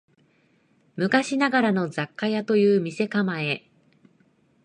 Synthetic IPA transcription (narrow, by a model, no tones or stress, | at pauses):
mɯ̟kaɕinaɡaɾano̞zakːajat̪o̞jɯ̟ːmʲise̞kamae̞